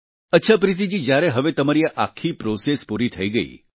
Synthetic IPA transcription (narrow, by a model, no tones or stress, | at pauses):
ətːʃʰapɾɪt̪̬id͡ʒid͡ʒjaɾeɦəʋet̪əmaɾijaʔakʰːipɾosespuɾit̪ʰəiɡəḭ